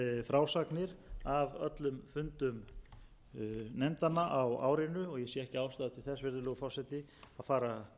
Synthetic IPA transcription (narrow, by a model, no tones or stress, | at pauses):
fɾaːwsaknɪɾavœ̰t̪lʏmfʏnt̪ʏm | nɛmt̪anaʔawa̰ːwɾɪnʏɔɣjɛsjɛɛhcɪaːwst̪aːðʏt̪ʰɪlθɛsvɪɾðɪlœːɣʏfɔwsɛt̪ɪ | aðfaːɾa